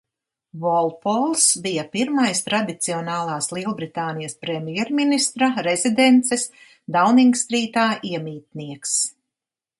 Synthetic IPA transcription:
vɔlˠpɔlˠsbijɐpiɾmajst̪ɾad̪it̪siɔnaːlˠaːslˠiɛlˠbɾit̪aːnijɐspɾɛmʲjɛɾminist̪ɾaɾɛzid̪ɛnt̪sɛs | d̪awniŋɡst̪ɾiːt̪aːʔiɛmiːt̪̚niɛks

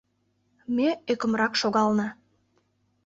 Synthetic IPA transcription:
meøkə̆mɾɑkʃoɣɑlnɑ

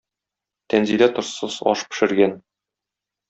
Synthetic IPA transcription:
t̪ænzilæt̪ŏɾsɤzɒ̰ʃpɘ̥̆ʃɘ̆ɾɡæn

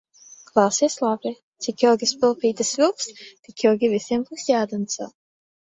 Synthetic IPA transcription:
klˠɑwsiɛslˠabʲi | t̪sikjɔɔɡʲispɨlˠpiːt̪ɨsvʲilˠkst̪ikjɔwɡʲivisʲiɛmbuːsjaːd̪ɔnsa̰

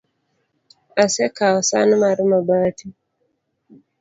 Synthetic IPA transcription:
asɛkaɔsa̰numaɾimabati

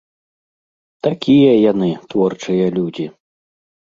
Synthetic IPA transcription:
t̪akʲijɐjanɨt̪vɔrt͡ʂɨjɐlʲud͡zʲi

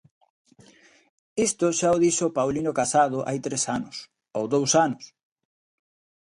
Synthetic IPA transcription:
ist̪ʊʃaoðiʃopawlinʊkasað̞ʊʔa̰jt̪ɾesanʊs | owðowsanʊs

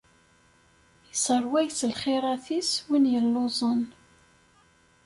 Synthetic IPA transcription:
jəsəɾˤwæjsəlχɪɾˤɑθiswinjəlːozˤən

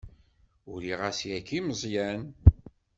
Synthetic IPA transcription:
ʊɾiʁæsjækːiməzˤjæn

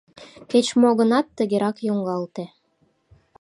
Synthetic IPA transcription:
ket͡ɕmoɣə̆nɑt̪ːəɣeɾɑkjoŋɡɑlt̪e

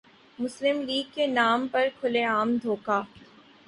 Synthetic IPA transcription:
mʊslɪmliːɡ̚kenaːmpɐɾkʰʊleaːmd̪ʱoːkaː

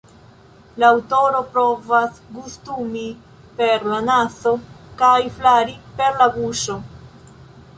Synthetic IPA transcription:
laːwto̞ɾo̞pɾo̞vasɡustumi | pe̞ɾlanaso̞kajflaɾipe̞ɾlabuʃo̞

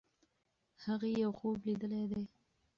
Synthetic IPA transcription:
haɣejawxoblid̪əled̪e

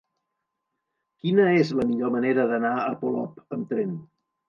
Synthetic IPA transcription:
kinəezləmiʎoməneɾəðənaəpolɔpəmt̪ɾen

